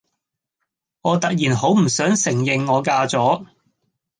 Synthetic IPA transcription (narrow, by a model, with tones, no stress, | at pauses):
ŋɔː˨˧t̪ɐ˨k̚jiː˨˩nɦo˨˥wm̩˨˩sœː˨˥ŋsɪ˨˩ŋjɪ˨ŋːɔː˨˧kaː˧t͡sɔː˨˥